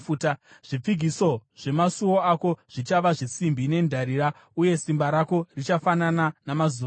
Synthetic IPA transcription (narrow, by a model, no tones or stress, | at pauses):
utaʐ̥ip͡fiɡʱiso̞ʐ̥e̞masuwo̞ako̞ʐ̥it͡ʃaʋaʐisimbine̞ndʱaɾiːɾa | uje̞simbaɾako̞rit͡ʃafanananamazu